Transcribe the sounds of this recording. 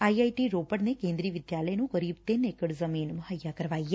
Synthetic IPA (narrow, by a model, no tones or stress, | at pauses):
aːiaːiʈiːɾoːpəɽneːkẽːnd̪ɾiːʋɪd̪jaːləeːnũːkəɾiːb̚t̪ɪneːkəɽzəmiːnmʊɦəjːaːkəɾʋaːiːaː